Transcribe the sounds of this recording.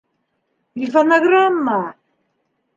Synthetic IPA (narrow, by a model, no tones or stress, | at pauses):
iθɔnaɣɾama